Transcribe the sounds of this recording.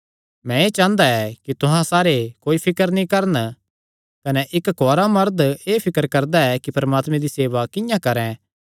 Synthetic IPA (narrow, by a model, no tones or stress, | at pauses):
mɛ̃eːt͡ʃãːnd̪aɛkit̪ʊɦãsaːɾekoːipʰɪkəɾnĩkɐɾn | kɐnɛʔɪkkɔːɾamɐɾd̪eːpʰɪkəɾkɐɾd̪aɛkipɐɾmaːt̪mɛ̃d̪iseːʋakɪ̃jãkɐɾɛ̃